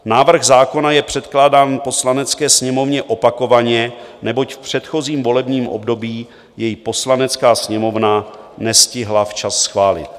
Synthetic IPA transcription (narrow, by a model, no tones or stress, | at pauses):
naːvr̩ɣzaːko̞najɛpr̝̥ɛt̪klaːdaːnpo̞slanɛt͡skɛːsɲɛmo̞vɲɛʔo̞pako̞vaɲɛnɛbo̞cfpr̝̥ɛt̪xo̞ziːmvo̞lɛbɲiːmʔo̰bdo̞biː | jɛjipo̞slanɛt͡skaːsɲɛmo̞vnanɛscɪɦlaft͡ʃasːxvaːlɪ̰t̪̚